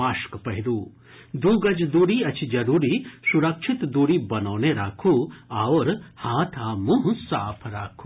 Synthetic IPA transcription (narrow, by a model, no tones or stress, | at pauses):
aːʃkpɐɦiɾuː | d̪uːɡɐd͡ʒd̪uːɾiːɐt͡ʃʰid͡ʒɐɾuːɾiːsuɾɐkʃʰɪt̪d̪uːɾiːbɐnoːneɾaːkʰuːaːʋɾhãːt̪ʰaːmuɦsaːpʰɾaːkʰu̥ː